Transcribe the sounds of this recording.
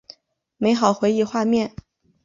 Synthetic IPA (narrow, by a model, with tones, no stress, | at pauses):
me˧˥ɪxɑ˨˩ʊxwe˧˥ɪi˥˩xwa˥˧mjɛ˥˩n